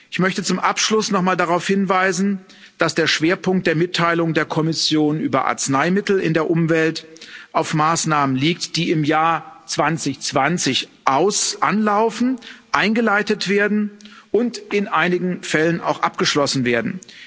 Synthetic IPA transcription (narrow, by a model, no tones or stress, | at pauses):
ʔɪçmœçtət͡sʊmʔapʃlʊsnɔχmaːldaʁaʊfhɪnvaɪzn̩ | d̥asd̥eːɐʃv̥eːɐpʊŋktd̥eːɐmɪtʰːaɪlʊŋdeːɐkʰɔmɪsjoːnʔy̰ːbɐ̰ʔa̰ɐt͡snaɪmɪtl̩ɪ̰ndeːɐʔʊmvɛltʔaʊfmaːsnaːmənliːk̚td̥iːɪmjaːɐt͡sv̥ant͡sɪçt͡sv̥ant͡sɪçʔaʊsʔanlaʊfn̩ʔaɪnɡəlaɪtətv̥eːɐdn̩ʔʊntʔɪnʔaɪnɪɡŋ̩fɛləna̰ʊxʔap̚ɡ̥əʃlɔsn̩veːɐdn̩